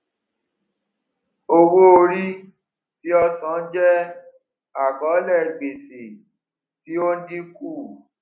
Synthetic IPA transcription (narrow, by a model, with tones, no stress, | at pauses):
o˧wo˦o˧ɾi˦ | ti˦ɔ˧sã˨˦n̩˦d͡ʒɛ˦ | a˦˨kɔ̃˨˦lɛ˦˨ɡ͡be˨se˨ | ti˦o˦nĩ˦kuː˦˨